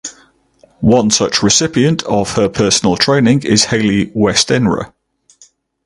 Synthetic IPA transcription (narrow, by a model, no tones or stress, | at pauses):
wʌ̃nsʌt͡ʃɹɪsɪpiə̃ntʰəv̥əpʰɜˑsənəlˠtʰɹ̥ẽɪ̃nɪ̃ŋɪz̥heɪliwɛstɛ̃nɹə̰